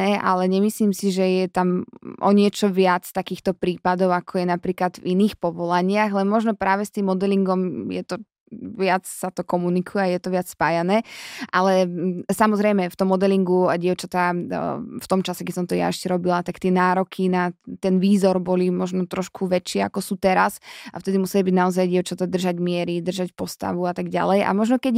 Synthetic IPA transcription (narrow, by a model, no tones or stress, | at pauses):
ɛʔa̰lɛɲɛmisliːmsiʒɛjɛt̪amʔɔ̰ɲɪɛt͡ʃɔʋɪat͡st̪akiːxt̪ɔpɾiːpad̪ɔʊakʰɔjɛnapɾiːklad̪viniːxpɔʋɔlaɲɪaɣlɛnmɔʒnɔpɾaːʋɛst̪iːmːɔd̪ɛliŋɡɔmjɛ̰t̪ɔ | ʋɪat͡ssat̪ɔkɔmunikʰujɛajɛt̪ɔʋɪat͡sspaːjanɛːʔalɛsamɔzɾɛjmɛft̪ɔmːɔd̪ɛliŋɡuaɟɪɛʊt͡ʃat̪a | ft̪ɔmt͡ʃasɛkɛsɔmt̪ɔja̰ɛʃcɛɾɔbilat̪akt̪ɪɛnaːɾɔkʰinat̪ɛnʋiːzɔɾbɔlimɔʒnɔt̪ɾɔʃkʰuʋɛt͡ʃɪɛa̰kɔsuːt̪ɛɾasʔa̰ft̪ɛd̪imusɛlibiɟnaɔzajɟɪɛʊt͡ʃat̪ad̪r̩ʒaɟmɪɛɾid̪r̩ʒacpɔst̪a̰ʋuat̪aɡɟa̰lɛjʔa̰mɔʒnɔkɛɟ